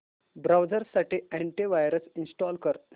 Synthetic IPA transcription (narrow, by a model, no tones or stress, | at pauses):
bɾawd͡zəɾsaʈiæ̃ɳʈiʋajɾəsinsʈɔlkəɾ